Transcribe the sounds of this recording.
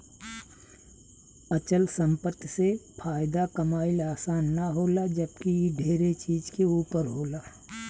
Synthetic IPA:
ət͡ʃəlsə̃mpət̪ʰsepʰaːɪd̪akəmaːɪlaːsaːnːaɦoːlad͡ʒəb̚kiɖʱeːɾet͡ʃiːd͡ʒkeuːpəɾɦoːlaː

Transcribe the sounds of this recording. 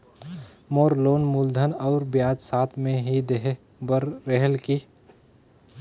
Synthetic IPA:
moːɾloːnmuld̪ʱənɔːʊɾbjaːd͡ʒsaːt̪ʰmẽɦid̪eɦe | bəɾːeɦəlki

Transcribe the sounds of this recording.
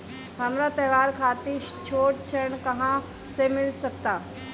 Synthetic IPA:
ɦɐmɾat̪ɐʋaːɾkʰaːt̪it͡ʃʰoːʈ̚t͡ʃʰəɾəɳkɐɦã | semɪlsɐkt̪aː

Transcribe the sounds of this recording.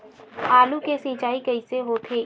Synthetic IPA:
aːlukesɪ̃ːt͡ʃaːikɐiseɦoːt̪ʰeː

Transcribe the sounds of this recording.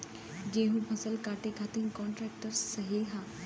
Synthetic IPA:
d͡ʑeɦũpʰəsəlkaʈekʰat̪inkɔɳʈɾɛk̚ʈəɾsəɦilɦa

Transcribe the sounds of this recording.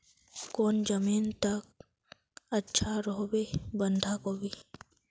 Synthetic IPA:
koːnd͡ʒəmiːnt̪ɐk̚ | ɐtːʃʰaɾoɦbebə̃nd̪ʱakobʱi

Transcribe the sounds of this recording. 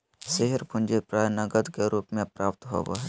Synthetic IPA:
seɦəɾpʰʊ̃nd͡ʒepɾaːjnəɡəd̪keɾuːpmẽpɾaːp̚t̪ɦo̰ːɡa̰ɦ

